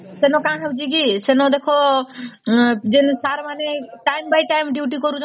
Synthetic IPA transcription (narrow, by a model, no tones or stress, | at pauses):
senõkãɦebd͡ʒiɡisenõd̪ekʰo | d͡ʒinsaɾmanẽʈajmbajʈajmɖjuʈikɔɾut͡ʃʰ